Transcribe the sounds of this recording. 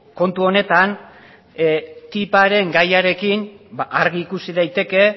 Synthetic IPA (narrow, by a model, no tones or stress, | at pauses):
ko̞nt̪uo̞ne̞t̪an | t̪ipaɾe̞ŋɡajaɾe̞kinbaʔaɾɣiːkusiðajt̪e̞ke̞